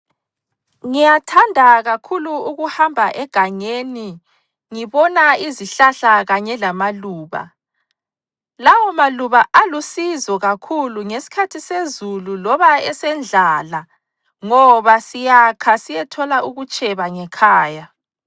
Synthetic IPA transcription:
ŋijatʰandʱaɣakʰuluuɣuhambʱaʔɛɡ̥ʱaɲeni | ŋiβɔnaiziɬaɬaɣaɲɛlamaluːβa̰ | lawɔmaluβaʔalusizɔɣakʰuluŋesi̥kʰatʰisezululɔβaɛsɛnd͡ɮʱaːla | ŋɔβasijakʰasijɛtʰɔlauɣut͡ʃʼɛβaŋɛkʰaːja

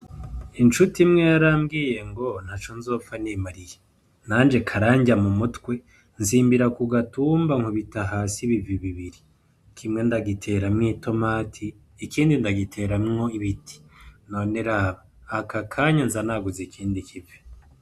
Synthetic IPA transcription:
int͡ʃutimŋe̞jaɾaːmɡiːje̞ŋɡo̞n̥hat͡ʃonzo̞ːpfanimaɾije | naːnd͡ʒe̞kʰaɾaːɲɟamumutkwe̞ | nziːmbiɾakuɡatuːmbaŋ̥hoβitaɦaːsiβiviβiβiɾi | kʰimŋe̞ndaɡitʰe̞ɾamŋito̞maːtʰiː | kiːndindaɡitʰe̞ɾamŋo̞iβiti̥none̞ɾaːβaː | kakʰaɲanzanaːɡuzekʰiːndikʰive̥

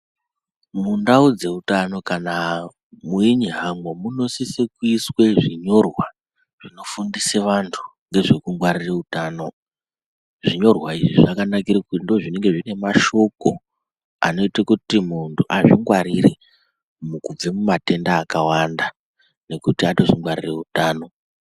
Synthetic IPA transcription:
mundaud͡ze̞utano̞kana | muiɲiɦamwomuno̞sisekuiswe̞ʐiɲo̞rwa | ʐ̥ino̞fundiseʋantʰu̥ŋɡe̞ʐekuŋɡwaɾireutaːno̞ | ʐiɲo̞rwaiʐiʐakanakiɾikundo̞ʐineŋɡe̞ʐine̞maʃo̞ko̞ | a̰no̞itakutimuntʰuʔaʐiŋɡwaɾire | mukub͡vemumate̞ndaːkawanda | ne̞kutiato̞ʐiŋɡwaɾire̞utaːno̞

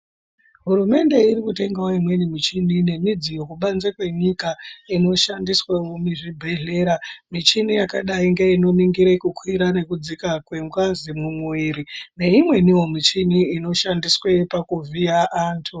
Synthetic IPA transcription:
ɦuɾume̞nde̞irikute̞ŋɡaoimwe̞nimit͡ʃinine̞mid͡zijo̞kuɓanzekwe̞ɲikaino̞ʃandiswaomiʐibʱe̞ɮe̞ːɾamit͡ʃinijakaɗaiŋɡeino̞niŋɡiɾekukʰwiɾane̞kud͡zikakwe̞ŋɡwazimumwiːɾine̞imwe̞niwo̞mit͡ʃiniːno̞ʃandiswepakuvʱiaʔaːntʰu

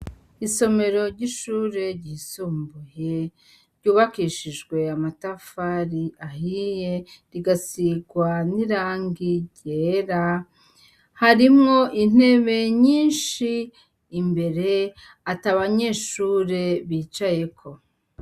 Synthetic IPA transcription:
iso̞me̞ɾo̞ɾɟiʃuːɾe̞ɾɟisuːmbuje̞ | ɾɟuːβakiʃiʒɡwe̞amatafaɾiʔahije̞ɾiɡasiɡwaniɾaːŋɡiɟeːɾa | haɾimŋo̞ʔin̥e̞ːβe̞ɲiːnʃiː | mbe̞ɾe̞ | ataβaɲe̞ːʃuːɾe̞βiːt͡ʃaje̞kʰo̞

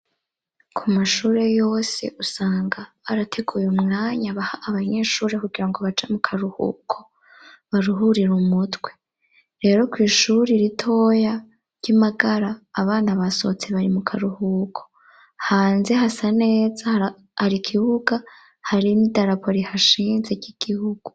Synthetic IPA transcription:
kʰumaʃuːɾe̞jo̞ːse̞̰ʔusaːŋɡaːɾatʰe̞ɡujumŋaːɲaβahaʔːβaɲe̞ːʃuːɾe̞kuɡiɾaŋɡo̞βat͡ʃamukʰaɾuhṵːkʰo̞̥ | βaɾuɦuɾiɾumutwe̞ | ɾe̞ːɾo̞kwiːʃuɾiɾitʰo̞ja | ɟ̥amaɡaɾaːβaːnaβaso̞̰t͡seβaɾimukʰaɾuhuːkʰo̞̥ | haːnze̞ɦasane̞ːza | haɾikʰiβuɡa | haɾinidaɾapʰo̞ɾihaʃiːnze̞ɟiɡ̥ihuɡ̥u

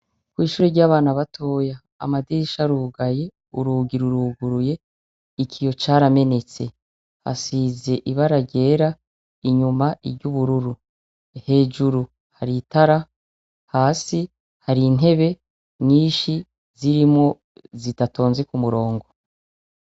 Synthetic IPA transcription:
kwiːʃuːɾeɾɟaːβaːnaβatʰo̞ːja | a̰madiiʃaɾuːɡaje̞ | uɾuːɡiɾuɾuːɡuɾuje̞ | ikʰijo̞t͡ʃaːɾame̞ne̞t͡se̞ | ha̰size̞ʔiβaɾaɟe̞ːɾa | iɲumaʔibɟuβuɾuɾu | he̞ːd͡ʒuɾu | haɾitaɾa | haːsi | haɾin̥e̞βe̞ | ɲiːʃi | ziɾimŋo̞ | zitato̞ːnzekumuɾo̞ːŋɡo̞

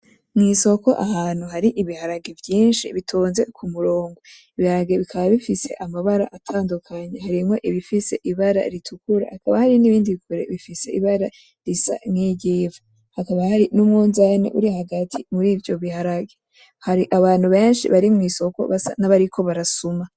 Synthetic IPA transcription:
mŋiːso̞ko̞ʔahaːn̥huɦaɾiʔiβihaɾaɡevjiːnʃiβitʰoːnze̞kʰumuɾoːŋɡo | iβihaɾaɡeβikʰaβaβifise̞̰ʔamaβaɾaʔatʰaːndukʰaɲeɦaɾimŋo̞ʔiβifise̞̰ʔiβaɾa̰ɾitʰukuɾa̰hakaβahaɾiniβiːndikuɾḛβifise̞̰iβaɾa | ɾisa̰mŋiːɟeːvu | hakaβahaɾinumŋuːnzanḛʔuɾihaɡatʰimuɾiːvjo̞βihaɾaɡe | haɾiʔaβaːn̥huβe̞ːnʃḭβaɾimŋiːso̞ko̞̰βasa̰naβaɾikʰo̞βaɾasuma

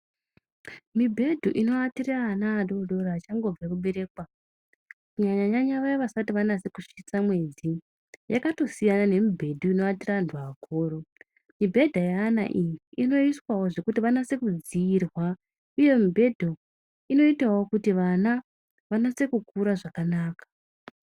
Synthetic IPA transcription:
mibʱe̞dʱoʔino̞atiraːnaːɗo̞dʱo̞ɾaːt͡ʃaŋɡo̞b͡vakuɓe̞ɾe̞kwa | kuɲaɲaɲaɲaʋajoʋasatiʋanase̞kuʂit͡samwe̞d͡zi | jakato̞sijanane̞mibʱe̞dʱuino̞atirandʰʱuakʰoːɾo | mibʱe̞dʱajaːna̰ʔijiino̞iswawo̞ʐe̞kutiʋanase̞kud͡ziːrwa | uje̞mubʱe̞dʱo | ino̞itawokutiʋana | ʋanase̞kukuɾaʐakanaːkḁ

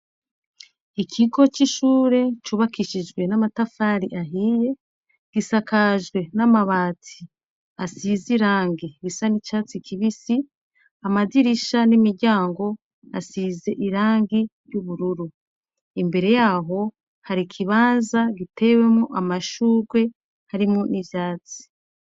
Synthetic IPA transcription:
ikʰiɡo̞t͡ʃiʃuːɾe̞t͡ʃuβakiʃid͡ʒɡwe̞namatafaːɾiʔaɦiːje̞ | ɡ̥isakaʒɡwe̞namaβaːtʰi | asiziɾaːŋɡiβisanit͡ʃat͡sikʰiβisi | amadiɾiʃanimiɟaːŋɡo̞ | asize̞ʔiɾaːŋɡiɾjuβuɾuɾu | imbe̞ɾe̞jaːɦo̞ | haɾikʰiβaːnzaɡitʰe̞we̞mŋoʔamaʃuːɾɡwe̞ | haɾimŋunivjaːt͡si̥

